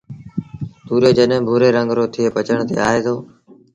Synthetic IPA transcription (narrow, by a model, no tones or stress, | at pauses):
t̪uːɾeːd͡ʒəɗ̃bʱuːɾeːɾə̃ŋɡɾoːt̪ʰɪeːpət͡ʃəɳ̃t̪ḛːa̰ːɦeːt̪ʰoː